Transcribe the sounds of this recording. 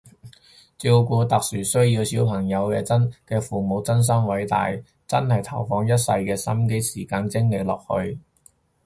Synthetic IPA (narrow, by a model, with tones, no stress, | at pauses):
t͡siː˧wkuː˧t̪ɐ˨k̚syː˨˩sɵ˥ɥjiː˧wsiː˨˥wpʰɐ˨˩ŋjɐ˨˧wkɛ̰ː˧t͡sɐ˥nkɛː˧fuː˨˩mo˨˧wt͡sɐ˥ns̬ɐ˥ŋwɐ˨˥jt̪a̰ː˨j | t͡sɐ˥nhɐ˨jt̪ʰɐ˨˩wfɔː˧ŋjɐ˥t̚sɐ˧jkɛː˧sɐ˥mke˥jsiː˨˩kaː˧nt͡sɪ˥ŋle˨˧˥klɔ̰ː˨k̚hɵ̰˧ɥ